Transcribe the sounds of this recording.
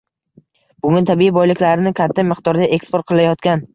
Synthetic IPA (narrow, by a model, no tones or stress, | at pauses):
bʊŋʲɪnt̪ʰabiibɒjlɪkʲlaɾɪnɪkʲʰat̪ʰːamɨqt̪ʰɒɾd̪aʔekspoɾt̪̚qʰɨlajɒt̪kʲan